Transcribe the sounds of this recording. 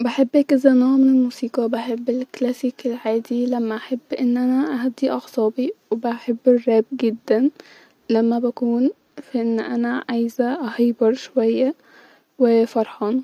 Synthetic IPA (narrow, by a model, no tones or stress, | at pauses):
baħebːʔæːkʔezæʔnæːmenelmuːsiːqɑbaħebːelklæsiːkelʕaːd̪ilæmːæʔaħebːʔenːʔænæʔæɦæd̪ːiʔɑɣsˤɑːbiwebæħebːerːæːb̚ɡed̪ːæn | læmːæbækuːn | fæʔenːʔænæʕajzæʔɑhejbɑɾˤʃowæjːæ | wefɑɾˤħɑːn